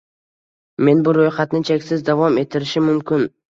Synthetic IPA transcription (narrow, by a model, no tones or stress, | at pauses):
me̞nbʊɾojχat̪nɪt͡ʃʰekʲsɪzd̪avɒme̞t̪ʰːɪɾɪʃɪmʊmkʲɪn